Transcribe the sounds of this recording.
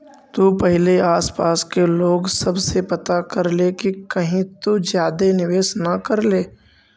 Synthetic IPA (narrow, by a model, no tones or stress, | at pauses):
t̪uːpɛɦleaːspaːskeloːɡsɐbsepɐt̪akɐɾlekikɐɦĩt̪uzjaːd̪enɪʋeːsnɐkəɾleː